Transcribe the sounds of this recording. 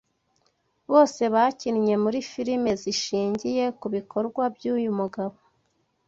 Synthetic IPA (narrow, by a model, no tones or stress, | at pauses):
βo̞ːse̞βacinɲe̞muɾifiɾime̞ziʃiːɲɟije̞kuβiko̞ɾɡwabjuːjumuɡaβo̞